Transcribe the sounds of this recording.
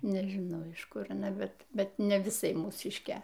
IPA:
nʲɛʒʲɪˈnɐʊ ɪʃ ˈkʊr ɐˈnɐ ˈbʲɛt ˈbʲɛt nʲɛ ʋʲɪˈsɐɪ muːˈsʲɪʃʲkʲeː

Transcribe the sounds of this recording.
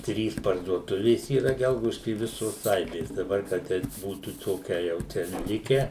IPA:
ˈtʲrʲiːs pɐrduɔˈtʊʋʲeːs iːˈrɐ ˈɡʲɛlˠɡɐʊdʲɪʃʲkʲiː ɪ ˈʋʲɪsoːs ˈɐɪbʲeːs dɐˈbɐr kɐ ˈtʲɛɪp ˈbuːtuː ˈtoːkʲɛ jɛʊ ˈt͡ʃʲɛ ˈlʲɪkʲɛ

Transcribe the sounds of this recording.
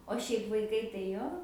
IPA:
oː ˈʃʲɛɪp ʋɐɪˈkɐɪ tɐɪ ˈjoː

